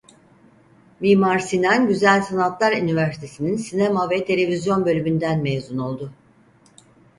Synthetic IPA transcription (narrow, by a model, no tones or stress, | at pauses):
miːmaɾsinanɟyzælʲsanat̪lˠaɾynivæɾsi̥t̪ʰe̞sininsinemavɛt̪ʰe̞lʲe̞vizjo̞nbø̞lʲymynd̪ænmejzuno̞lˠd̪ʊ